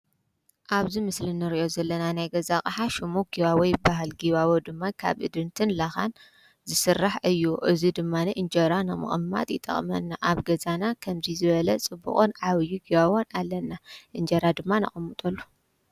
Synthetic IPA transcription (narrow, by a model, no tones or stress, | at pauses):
ʔaβzimɨslɨnːɨɾiʔo̞zɐlːɐnanajɡɐzaχʼħaʃumuɡiβawɔjbaɦɨlɡiβaβod̪ɨmːakʰa̰βʔɨ̰d̪ɨnt̪ʰɨnlaxa̰n | zɨsɨrːaħɨjːuʔɨzid̪ɨmːaniʔɨnd͡ʒɐɾanɨmɨ̰χʼɨmːa̰t̪ʼjɪt̪ʼːɐ̰χʼmɐ̰nːaʔaβɡɐzanakʰɐmzizɨβɐlɐt͡sʼɨbṵχʼonʕaβɨjːuɡiβaβo̞nalːɐnːaʔɨnd͡ʒɐɾad̪ɨmːanɐ̰χʼɐmːɨt̪ʼɐlːu